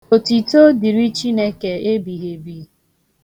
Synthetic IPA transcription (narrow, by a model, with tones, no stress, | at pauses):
o˨ti˨to˦di˨ɾi˦t͡ʃi˦ne˦ke˨e˦bi˨ɦe˨bi˨